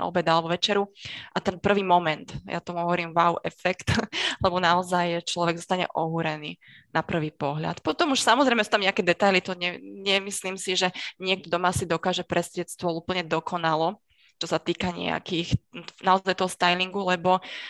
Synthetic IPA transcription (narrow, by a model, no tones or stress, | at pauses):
ʔɔ̰bɛd̪alɛbɔʋɛt͡ʃɛɾuʔat̪ɛnpr̩ʋiːmɔmɛnt̪ja̰t̪ɔmuɦɔʋɔɾiːmʋawʔɛfɛkt̪lɛbɔnaɔzajt͡ʃlɔʋɛɡzɔst̪aɲɛ̰ʔɔɦuɾɛnḭː | napr̩ʋiːpɔɦʎa̰t̪pɔt̪ɔmuʃsamɔzɾɛjmɛsu̥ːt̪amɲɛakɛd̪ɛt̪ajlit̪ɔɲɛɲɛmisliːmsiʒɛɲɪɛk̚t̪ɔd̪ɔmasid̪ɔkaːʒɛpɾʔɛsɟɛtst̪ʋɔluːpl̩ɲɛd̪ɔkʰɔnalɔ | t͡ʃɔsat̪iːkaɲɛ̰a̰kixnaɔzajt̪ɔɦɔst̪ajliŋɡulɛbɔ